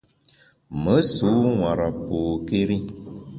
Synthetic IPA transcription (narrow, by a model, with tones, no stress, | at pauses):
mə˨˦su˨˦wã˨ɾa˨po˨ke˦ɾi˦